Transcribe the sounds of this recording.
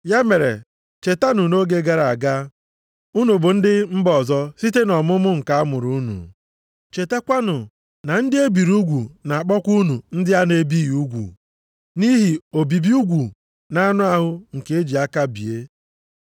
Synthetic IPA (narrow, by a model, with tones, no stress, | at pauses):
ja˦me˨ɾḛ˨ | t͡ʃe˨ta˦nʊ˨no˦ɡe˦ɡa˨ɾa˨ɡa˦ | u˦nu˨bʊ˨n̩˦dɪ˦m̩˦bɔ˨zɔ˦si˦te˦nɔ˨mʊ˦mʊ˦ŋ̩˨ka˦a˦mʊ˨ɾu˦nṵ˨ | t͡ʃe˨te˦kʷa˦nʊ˨ | na˨n̩˦dɪ˦e˦bi˨ɾu˦ɡʷu˨na˨a˨k͡pɔ˦kʷu˦nu˨n̩˦dɪ˦a˦ne˦bi˦ju˦ɡʷṵ˨ | ni˦ɦi˨o˨bi˨bi˦u˦ɡʷu˨ | na˦nʊ˦a˦ɦʊ˦ŋ̩˨ke˨e˦d͡ʒi˨a˦ka˦bḭ˨e˦